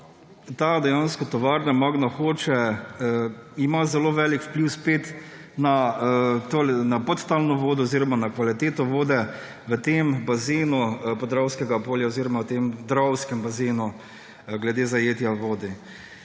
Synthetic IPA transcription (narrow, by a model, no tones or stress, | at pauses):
t̪ad̪ɛjanskɔt̪ɔʋaɾnɛmaɡnɔxoːt͡ʃɛ | imazɛloːʋɛlikwpliwspeːt̪ | na | t̪olɛnapɔt̪t̪alnɔʋoːd̪ɔːziːɾɔmanakʋalit̪eːt̪ɔʋoːd̪ɛ | ʋət̪embazenupɔd̪ɾawskɛɡapoːljaoziːɾɔmawt̪emd̪ɾawskɛmbazeːnu | ɡlɛd̪eːzajeːt̪jaʋoːd̪i